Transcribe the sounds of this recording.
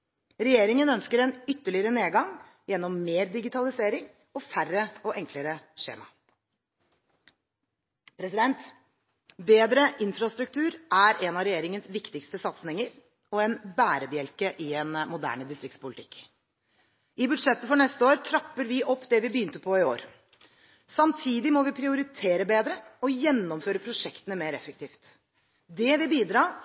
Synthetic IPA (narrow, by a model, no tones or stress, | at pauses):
ɾɛjeːɾɪŋənœnskəɾɛnʏt̪ːəɭɪəɾəneːɡɑŋ | jɛnːɔmːeːɾd̪ɪɡɪt̪ʰɑlɪseːɾɪŋ | ɔfærəɔʔɛŋkləɾəʂḛːmɑ̰ | pʰɾɛsɪd̪ɛnt̪ | beːd̪ɾəʔɪnfɾɑst̪ɾʉk̚t̪ʰʉːɾæɾɛnɑɾɛjeːɾɪŋənsʋɪkt̪ɪkst̪əsɑt̪snɪŋəɾ | ɔɛnbæːɾəbjɛlkəʔɪɛnmʊd̪æ̰ːɳəd̪ɪst̪ɾɪktspʰʊlɪt̪ʰɪ̥̰kː | ɪbʉd̪ʂɛt̪ːəfɔɳɛst̪əoːɾt̪ʰɾɑpːəɾʋɪʔɔpːd̪ɛʋɪbəjyːnt̪əpʰɔɪoːɾ | sɑmt̪ʰiːd̪ɪmɔʋɪpʰɾɪʊɾɪt̪ʰeːɾəbeːd̪ɾəɔjɛnːɔmføːɾəpʰɾʊʂɛkt̪ənəmeːɾɛfək̚t̪ʰiːft̪ | d̪ɛʋɪbiːd̪ɾɑː